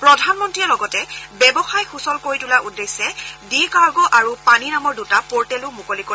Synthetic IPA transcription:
pɹɔdʱanmɔntɹiɔlɔɡɔtɛbɛbɔxajxusɔlkoɹitulaudːesːɛdikaɹɡɔʔaɹupaninamɔɹdutapɔɹtɛlʊmukoliko

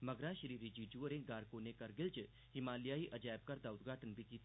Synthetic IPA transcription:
mɐɡɾãʃɾiɾid͡ʒid͡ʒuəɾẽɡaːɾkonekɐɾɡɪlt͡ʃ | himaːljaːiʔɐd͡ʒaːjb̚kɐɾd̪aːʊt̪̚ɡʱaːʈənbikiːt̪

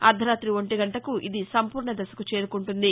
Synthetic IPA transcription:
ɐɾd̪ʱɐɾaːt̪ɾiʋoɳʈiɡɐɳʈɐkuʔid̪isɐmpuːɾɳɐd̪ɐsɐ̥kut͡ʃe̞ːɾukuɳʈund̪i

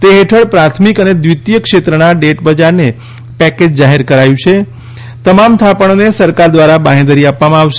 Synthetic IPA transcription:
t̪eɦeʈʰəɭpɾat̪ʰmikəned̪ʋit̪jəkʃet̪ɾənaɖeʈbəd͡ʒaɾne | pɛked͡ʒd͡ʒaɦeɾkəɾajũt͡ʃʰe | t̪əmamt̪ʰapəɳ̃onesəɾkaɾd̪ʋaɾabaɦẽd̪əɾiapʋamãaʋʃe

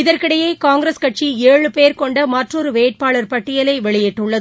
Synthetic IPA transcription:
ɪðɐɾkɪɽɐjɐɪkaːŋɡɪɾɐskɐʈ̚t͡ʃieːɻɯpeːɾkɔɳɖɐmɐʈrɔɾɯʋeːʈ̚paːɭɐɾpɐʈːɪjɐlɐɪʋɛɭɪjɛʈːɯɭːɐðɯ

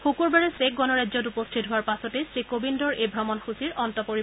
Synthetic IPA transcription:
xukuɹbaɹɛsek̚ɡɔnɔɹajdzɔt̬upɔstʰitɦʊwaɹpasɔtɛsɹikobindɔɹejbʱɹɔmɔnxusiɹɔntɔpoɹi

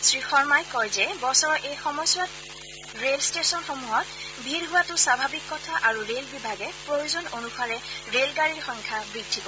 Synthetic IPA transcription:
sɹixɔɹmajkɔjzɛbɔsɔɹɔʔejxɔmɔjswat | ɹelstesɔnxomuɦɔt | bʱiɹɦʊwatʊsabʱabikːɔtʰaʔaɹuɹelbibʱaɡɛpɹojuzɔnonuxʰaɹɛ | ɹelɡaɹiɹxɔŋkʰabɹidʱːikɔ

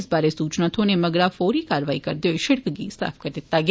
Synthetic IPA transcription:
sbaːɾeːsuːt͡ʃnaːt̪ʰoːneːməɡɾaːfʰoːɾiːkaːɾʋaːiːkəɾd̪eɦoeʃɪɽkɡḭːsa̰ːpʰkəɾd̪ɪt̪ːaːɡ

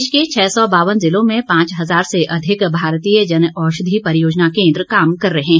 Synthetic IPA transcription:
ʃket͡ʃʰɛːsɔbaːʋənzɪlõmẽpãːt͡ʃɦɐzaːɾseʔɐd̪ʱɪkbʱaːɾt̪iːjəd͡ʒɐnɔːʃʊd̪ʱipɐɾjoːd͡ʒnakẽːnd̪ɾəkaːmkɐɾːɐɦɛ̃

